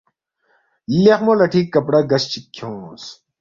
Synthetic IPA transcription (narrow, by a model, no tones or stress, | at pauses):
lexmolɐʈʰiːkːɐpɽɐɡɐst͡ɕikʰːjõːs